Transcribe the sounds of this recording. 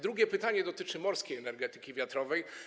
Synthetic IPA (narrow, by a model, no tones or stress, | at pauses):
d̪ɾuɡʲɛpɘt̪aɲɛd̪ɔt̪ɘt͡ʂɘmɔɾskʲejɛnɛɾɡɛt̪ɘ̥kʲivʲjat̪ɾɔvɛj